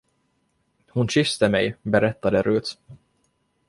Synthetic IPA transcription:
hʊnɕʏst̪əmɛjbɛɾɛt̪ːad̪əɾʉːt̪

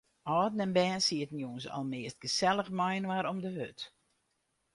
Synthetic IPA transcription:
ɔːdn̩ɛnbɛːnsiətən̩juənsɔ̰lˠmɪəst̚ɡ̥əsɛlˠəxmɔjnʋaɾɔmdəhøt

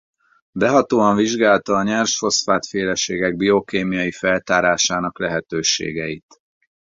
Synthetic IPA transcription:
bɛɦɒt̪oːɒɱviʒɡaːlt̪ɒːɲɛrʃfo̞sfaːt̪feːlɛʃeːɡɛɡ̚bio̞keːmijɒjifɛlt̪aːɾaːʃaːnɒklɛɦɛt̪øːʃḛːɡɛit̪

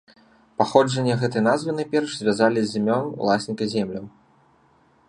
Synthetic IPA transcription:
paxɔd͡ʐɐnʲːɐɣɛt̪ɐjnazvɨnajpʲɛrʂzʲvʲazalʲizʲːimʲɔnṵlˠasʲnʲikɐzʲɛmlʲɐw

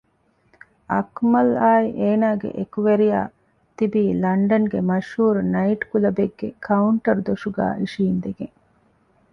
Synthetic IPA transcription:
ʔɐkmɐlaːiʔeːnaːɡḛʔekuʋeɾija̰ː | t̪ibiːlɐɳɖɐŋɡemɐʃhuːɾunɐiʈkulɐbeɡːekʰɐuɳʈɐɾd̪oʂuɡa̰ːʔiʃiːnd̪eɡeŋ

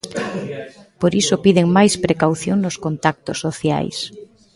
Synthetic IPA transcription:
poɾisopiðeŋmajspɾekawθjoŋnoskont̪ak̚t̪osːoθja̰js

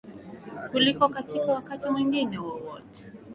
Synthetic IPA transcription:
kulikɔkatikawakatimwiŋɡinɛwɔwɔtɛ̥

